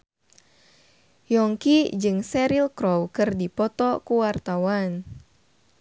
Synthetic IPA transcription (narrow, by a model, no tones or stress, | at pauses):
jɔŋkid͡ʒɨŋsɛɾilkɾɔwkɨrdipɔt̪ɔkuwart̪awan